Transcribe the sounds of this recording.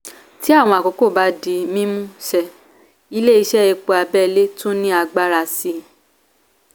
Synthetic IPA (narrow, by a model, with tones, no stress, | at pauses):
ti˨˦a˦˨w̃ɔ̃˧a˨ko˨˦ko˦˨ba˨˦di˧mĩ˦mũ˦sɛ˧ | i˧˦le˦i˧ʃɛ˦e˧k͡po˧a˧bɛ˦˨˧le˦to˦nĩ˦a˧ɡ͡ba˦ɾa˧si˧˦